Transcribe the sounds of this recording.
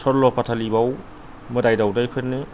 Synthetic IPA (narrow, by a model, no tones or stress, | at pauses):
sʰɔɾlɔpatʰalibaw | mɯdajdawdajpʰenɯ